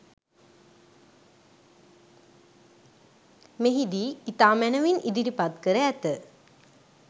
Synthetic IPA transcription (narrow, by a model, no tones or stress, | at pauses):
meɦid̪iːit̪aːmænəʋinid̪iɾipat̪kəɾəæt̪ə